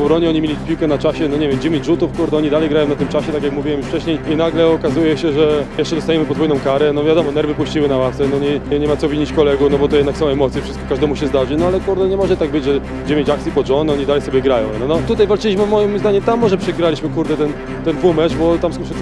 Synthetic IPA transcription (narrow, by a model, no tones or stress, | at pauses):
ɔɾɔɲɛɔɲimʲelʲipʲiwkɛnat͡ʂaɕɛnɔɲevʲjɛmd͡ʑɛmʲeɲd͡ʑʐut̪ufkuɾd̪ɛɔɲid̪alɛjɡɾajɔ̃wnat̪ɨmt͡ʂaɕɛt̪ak̬ʲjakmuvʲiwɛmjuʂft͡ʂɛɕɲejinaɡlɛɔkazujɛɕɛʐɛjɛʂt͡ʂɛd̪ɔst̪ajɛmɘpɔd̪vɔjnɔ̃w̃kaɾɛnɔvʲjad̪ɔmɔnɛɾvɘpuɕt͡ɕiwɘnawafsɛnɔɲɛɲɛmat̪ɔvʲiɲit͡ɕkɔlɛɡufnɔbɔt̪ɔjɛd̪naksɔ̃w̃ɛmɔt̪sʲjɛfʂɨst̪̚kɔkaʒʐd̪ɛmuɕɛzd̪aʐɘnɔalɛkuɾd̪ɛɲɛmɔʐɛt̪aɡ̚bɘd͡ʑʐɛ | d͡ʑɛvʲẽt͡ɕak̚sʲipɔʐɔnɔɲid̪alɛjsɔbʲjɛɡɾajɔ̰̃w̃nɔnɔt̪ut̪ajvalt͡ʂɘlʲiɕmɘvmɔjimzd̪aɲɛt̪amːɔʐɛpʂɛɡɾalʲiɕmɘkuɾd̪ɛt̪ɛn | t̪ɛnumɛt͡ʂbɔt̪amskɔʂɛ